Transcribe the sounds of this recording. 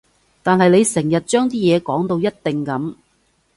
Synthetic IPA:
t̪aː˨nɦɐ˨jle˨˧jsɛ˨˩ŋjɐ˨t̚t͡ʃœː˥ŋt̪iː˥jɛː˨˧kɔː˨˥ŋt̪o˧wjɐ˥t̚t̪ɪ˨ŋkɐ˨˥m

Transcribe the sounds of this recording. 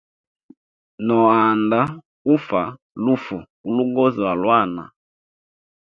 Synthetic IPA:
nɔ˨a˨nda˦ | u˦fa˨ | lu˦fu˨ | u˨lu˦ɡɔ˦zi˨a˨lwa˦˨na̰˨

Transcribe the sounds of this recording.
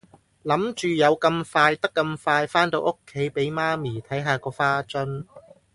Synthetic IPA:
lɐ˨˥mt͡ʃyː˨jɐ˨˧wkɐ˧mfaː˧jt̪ɐ˥kːɐ˧mfaː˧jfaː˥nt̪o˧wʔo˥kʰːe˨˥jpe˨˥jmaː˥miː˨˩t̪ʰɐ˨˥jɦaː˨˧kɔː˧faː˥t͡sɵ˥n

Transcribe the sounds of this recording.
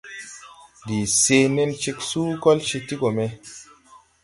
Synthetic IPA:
di˨se˧ne˧nt͡ʃi˧ksuː˦kɔ˦lʃi˧ti˦ko˨me˧

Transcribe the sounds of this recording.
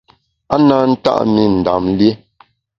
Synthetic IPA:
a˦na˦n̩˦ta̰˦ʔmi˦˨n̩˨da̰˨mlje˦

